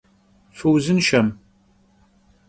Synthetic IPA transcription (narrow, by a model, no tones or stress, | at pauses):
fɨwzɨnʃɐm